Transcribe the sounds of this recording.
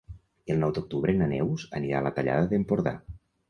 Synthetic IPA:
əlˠnɔwd̪ok̚t̪uβɾenənɛwzəniɾalət̪aʎa̰ðəðempoɾða̰

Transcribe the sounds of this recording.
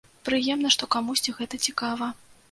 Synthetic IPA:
pɾɨjɛmnɐʂt̪ɔkamusʲt͡sʲiɣɛt̪ɐt͡sʲikavɐ

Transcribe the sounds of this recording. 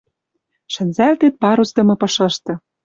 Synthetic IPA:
ʃɘ̆nzælt̪et̪̚pɑɾusd̪ɤ̆mɤ̆pɤ̆ʃɤ̆ʃt̪ɤ̆

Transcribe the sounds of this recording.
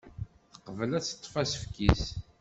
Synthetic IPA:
θə̥qːəvəlæt͡sːə̥t̪ˤːfæsə̥fkis

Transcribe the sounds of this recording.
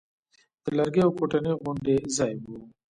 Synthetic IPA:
d̪̥əlaɾɡeawkoʈaniɣʊɳɖezɑjbu

